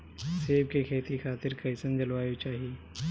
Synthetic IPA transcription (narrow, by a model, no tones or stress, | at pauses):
seːb̚kekʰeːt̪ikʰaːt̪ɪɾkɐɪsənd͡ʒɐlwaːjot͡ʃaːɦieː